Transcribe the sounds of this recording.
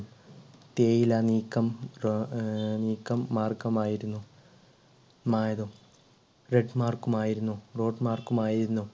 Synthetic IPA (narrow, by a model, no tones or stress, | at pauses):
t̪eːjilaːniːkːɐm | niːkːɐmːaːrkɐmaːjiɾunːu | maːjɐðu | reɖmaːrkumaːjiɾunːuro̞ːɖmaːrkumaːjiɾiɾunːu